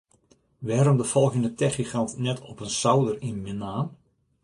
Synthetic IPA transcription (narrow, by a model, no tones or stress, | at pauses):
ʋɛːɾɔmdəfɔlˠɣəndətʰɛxixɑntnɛtʰɔpənsawdərinminaːn